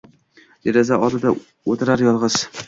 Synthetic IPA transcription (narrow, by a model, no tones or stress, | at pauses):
j̪eɾɪzaʔɒd̪ɪd̪a | ot̪ʰɪɾaɾjɒlˠʁɨz̥